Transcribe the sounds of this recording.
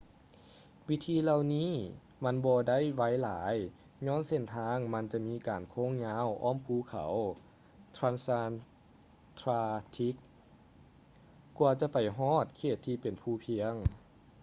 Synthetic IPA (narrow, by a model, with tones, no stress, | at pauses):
wi˧˥t̪ʰiː˧la˧˨wniː˧˥˨ | ma˧˥˨nbɔː˧da˥˨jʋa˧˥˨jlaː˨˦j | ɲɔː˧˥˨nse˧˩nt̪ʰaː˧˥ŋma˧˥˨nt͡ɕa˧miː˧˥˨kaː˨˩nkʰo˧˥˨ŋɲaː˧˥˨wʔɔː˧˥˨mpʰuː˧˩kʰa̰˨˩˦w | t̪ʰɾaː˧˥nsa˧n | t̪ʰɾaː˧t̪ʰi˧˦˥k̚ | u˧t͡ɕa˧pa˨˩jɦɔː˧˥˩t̪̚kʰeː˧˩t̪ʰːiː˧pe˨˩npʰuː˧˩pʰi˧˥əŋ